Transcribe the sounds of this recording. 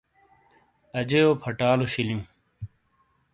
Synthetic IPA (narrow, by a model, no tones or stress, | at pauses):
ɐd͡ʑejoːpʰɐʈaːloɕiljũː